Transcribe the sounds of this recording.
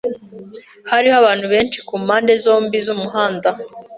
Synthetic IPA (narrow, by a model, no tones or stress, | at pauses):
haɾihaβaːnhuβe̞ːnt͡ʃi̥kuːmaːnde̞zo̞ːmbizumuɦaːnda